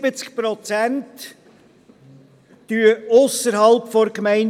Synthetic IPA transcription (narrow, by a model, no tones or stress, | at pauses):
bət͡skpɾɔt͡sænt | yəʊsəɾhɑlpfɔɾkmæɪn